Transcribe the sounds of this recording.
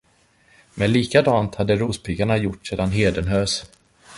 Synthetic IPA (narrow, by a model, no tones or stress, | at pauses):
mɛnliːkad̪ɑːnt̪had̪ːəɾuːspʰɪɡaɳajʊʈːseːd̪anɦeːd̪ənɦøːs